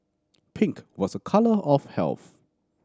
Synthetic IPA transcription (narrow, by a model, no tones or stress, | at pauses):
pʰɪ̃ŋkwɔsəkʰaləʔɔfv̥hɛ̰lˠθ